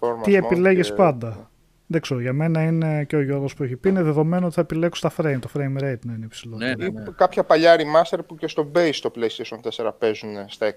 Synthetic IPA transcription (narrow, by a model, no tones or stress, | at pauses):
oɾmt̪iepile̞ʝespɐnd̪ɐ | ðekseɾoʝɐme̞nɐine̞ceoʝo̞ɾɣo̞spueçipiineðe̞ðo̞me̞noot̪iθɐepile̞kust̪ɐfɾeimt̪o̞fɾejmɾejd̪nɐineipsiloikɐpçɐpɐʎɐɾimɐst̪e̞ɾpucest̪o̞bejst̪o̞pleist̪eʃonθeseɾɐpezunest̪ɐe